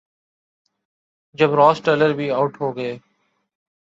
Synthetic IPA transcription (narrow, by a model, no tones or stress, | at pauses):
d͡ʒəbɾɔːsʈeːləɾbʱiːaʊʈɦoːɡəeː